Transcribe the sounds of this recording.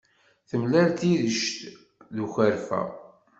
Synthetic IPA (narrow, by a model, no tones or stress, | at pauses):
θəmlælt̪iðəʃt̪ | ðuçəɾfæ̰